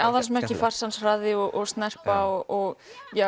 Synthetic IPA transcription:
awðansmɛɾ̥cɪfar̥sansraːðɪɔʔɔɣst̪nɛr̥paɔɣɔɣjɛ

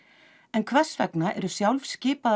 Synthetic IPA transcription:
ɛnkʰvɛ̥svɛ̰knaʔɛ̰ɾʏsjawlfscɪːpað

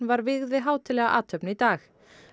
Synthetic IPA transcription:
vaɾvɪɣðɪɦaːwt̪ʰɪlɛːɣaʔa̰ːt̪ʰœpnit̪aːx

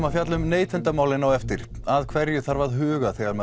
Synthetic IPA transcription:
mafjat̪lʏmneːjt̪ʰɛnt̪amaːwlɪnawɛft̪ɪɾ̥ | aðkʰvɛɾjʏθaɾvaðɦʏːɣaθɛɣaɾmɛ

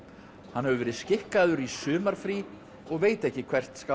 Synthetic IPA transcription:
hanɦhɛvʏvɛːɾɪðscɪhkaðʏɾisʏːmaɾ̥fɾi | ɔɣveːjt̪ɛhcɪkʰv̥ɛr̥t̪ska

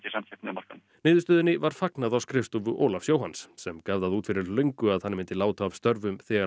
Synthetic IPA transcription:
ɪsamçʰɛp̪̚nɪmaɾ̥kan | nɪːðʏst̪œːðɪnɪvaɾ̥faknaðawskɾɪfst̪uvʏʔoːlafsjoːwhansːɛmkaːvðaðuːt̪fɪɾɪɾlœɥjŋkʏaðhanːɪmɪnt̪ɪlaːwt̪aːvst̪œɾvʏmθɛːɣa

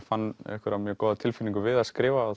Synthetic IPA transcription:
fanːɛ̰hkʏɾavmjœkɔːðat̪ʰɪlfɪlːiŋkʏvɪðaðskɾɪːva

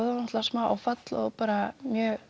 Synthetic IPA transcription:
ðannɔht̪lasmawa̰wfat̪lɔ̰ðpaːɾamjœː

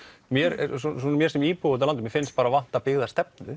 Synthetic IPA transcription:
mjɛɾsɔsɔnamjɛɾsɛmiːpoʏt̪alant̪ʏmjɛfɪnst̪̚paːɾavan̥t̪apɪɣðast̪ɛp̚nʏ̰

